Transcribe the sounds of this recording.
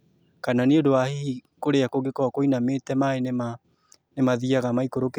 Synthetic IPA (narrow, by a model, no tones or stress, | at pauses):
kananeodoahihi | koɾeakoɡekɔakoinametɛmaenema | nemaðiaɣamaikoɾoke